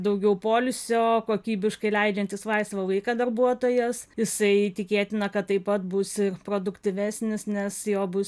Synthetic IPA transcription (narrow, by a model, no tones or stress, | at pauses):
d̪ɐʊɡʲɛʊpoːlʲʊsʲoːkoːkʲiːbʲɪʃkɐɪlʲɛɪd͡ʒʲɛnʲt̪ʲɪsʋɐɪst̪ʋɐʋɐɪkɐd̪ɐrbuɔt̪oːjɛsjɪsɐɪt̪ʲɪkʲeːt̪ʲɪnɐkɐt̪tːɐɪpɐt̪bʊsɪrpɾoːd̪ʊkt̪ʲɪʋʲæsʲnʲɪsnʲɛsjoːbʊs